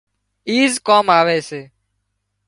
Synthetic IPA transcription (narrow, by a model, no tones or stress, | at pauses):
iːzkoːmaːʋeːseː